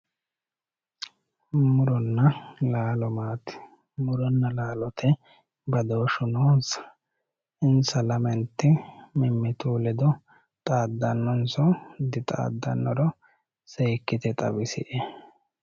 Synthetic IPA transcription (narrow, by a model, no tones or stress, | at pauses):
mʊɾɔnːɐlaːlɔmaːt̪ɪ̥ | mʊɾɔnːɐlaːlɔt̪ʰɛ | bɐd̪oːʃʊnoːnsɐ̥ | ɪnsɐlɐmɛnt̪ːɪmɪmːɪt̪uːlɛd̪ɔ | t̪ʼaːd̪ːɐnːɔnsɔd̪ɪt̪ʼa̰ːd̪ːɐ̰nːɔɾɔ | seːkːɪt̪ɛt̪ʼɐ̰bɪsɪ̰ʔe